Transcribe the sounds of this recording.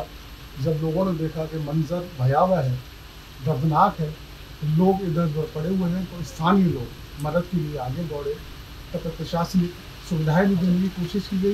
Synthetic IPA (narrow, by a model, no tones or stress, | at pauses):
d͡ʒɐbloːɡõned̪eːkʰakemɐ̃nzəɾbʱɐjaːʋaɦɛː | ɡ̪ɐɾd̪naːkɦɛː | t̪oloːɡɪd̪əɾd̪əɾpɐɽeɦueɦɛ̃t̪oɪst̪ʰaːnijəloːɡ | mɐd̪əd̪̚kelieaːlẽd̪ɔːɽẽ | t̪ɐpɾɐpɾɐʃaːsi | sʊʋɪd̪ʱaːebʱid̪eːnekikoːʃɪʃkiɡai